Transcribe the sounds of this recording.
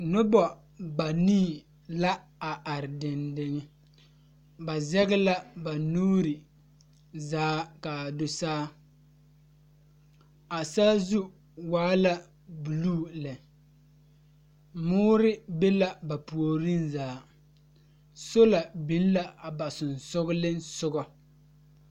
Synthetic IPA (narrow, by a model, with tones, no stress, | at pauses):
nʊ˦bɔ˨ | ba˨niː˦˨ | la˦ | a˨ʔa˨ɾɪ˨dɪ˨ndɪ˨ŋɪ˦ | ba˨zɛ˦ɣɪ˦la˦ba˨nuː˦ɾɪ˨ | zaː˦ka˨dʊ˨saː˦ | a˨saː˦zu˦ | waː˦la˦ | bu˨luː˦lɛ˨ | mʊː˦ɾɪ˦be˦la˨ba˨pu˨o˨ɾɪ˦nzaː˨˦˨ | so˦la˨bi˨˦n˦la˦a˨ba˨sʊ˨n˨sʊ˦ɡʊ˦lɪ˦nsʊ˦ɡɔ˨